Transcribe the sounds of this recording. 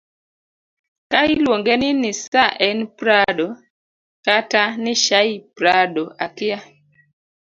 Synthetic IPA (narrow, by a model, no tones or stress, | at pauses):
kailwoŋɡenɪnɪsaʔɛnpɾado | katanɪʃaipɾadoʔakɪa